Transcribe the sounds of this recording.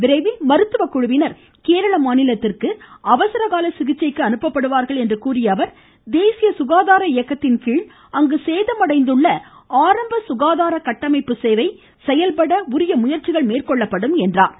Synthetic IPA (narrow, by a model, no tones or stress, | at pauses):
ʋɪɾɐɪʋimɐɾɯt̪ːɯʋɐkʊɻʊʋɪnɐɾ | keːɾɐɭɐmaːnɪlɐt̪ːɪrkɯɐʋɐsɐɾɐɣaːlɐsɪɣɪt͡ʃːɐɪkːɯɐnɯpːɐpːɐɽɯʋaːɾɣɐɭɛndrɯkuːrɪjɐʋɐɾ | d̪eːsɪjɐsʊɣaːðaːɾɐɪjɐkːɐt̪ːɪnkiːɭ | ɐŋɡɯseːðɐmɐɽɐɪnd̪ɯɭːɐ | aːɾɐmbɐsʊɣaːðaːɾɐkɐʈːɐmɐɪpːɯseːʋɐɪ | sɛjɐlpɐɽɐʊɾɪjɐmʊjɐɾt͡ʃɪɣɐɭmeːrkɔɭːɐpːɐɽɯmɛndra̰ːɾ